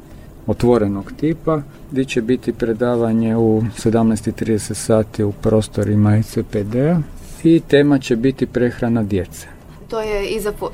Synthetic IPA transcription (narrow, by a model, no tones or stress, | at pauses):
ot̪ʋo̞ɾenoɡt̪iːpa | ɡd̪it͡ɕebit̪ipɾe̞d̪aːʋaɲe̞use̞d̪amnɛjst̪it̪ɾiːd̪eset̪saːt̪iupɾo̞ːst̪o̞ɾimaeseped̪ea | it̪e̞ːmat͡ɕe̞bit̪ipɾe̞xɾanad̪je̞t̪se̥ | t̪ojeizap